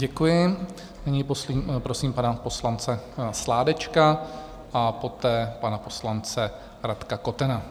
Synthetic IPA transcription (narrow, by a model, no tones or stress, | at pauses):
ɟɛkujɪ | nɪɲɪposlipɾosiːmpanapo̞slant͡sɛslaːdɛt͡ʃka | ʔapo̞t̪ɛːpanapo̞slant͡sɛ | ɾat̪kako̞t̪ɛna